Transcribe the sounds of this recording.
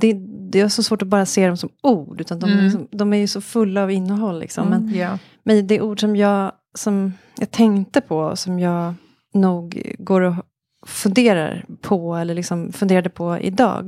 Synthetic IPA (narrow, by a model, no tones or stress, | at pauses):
d̪ɛd̪ɛaʂɔsvoːʈɔbɑːɾaseːd̪ɔmsɔmuːɖʉ̟ːt̪and̪ɔmɾɪksɔmd̪ɔmæɾjɵsɔfɵlːaːvɪnːəɦɔlːɪ̰ksɔ̰mːɛnj | mɛnd̪ɛʔuːɖʂɔmjɑː | sɔm | jɑ̰ːɡt̪ʰɛŋt̪əpʰɔ̰sɔmjɑːɡ | nuːɡɡoːɾɔ | fɵnd̪eːɾa̰ɾpʰɔɛlːəɭɪksɔmfɵnd̪eːɾad̪ɛpʰɔɪ̰d̪ɑ̰ːɡ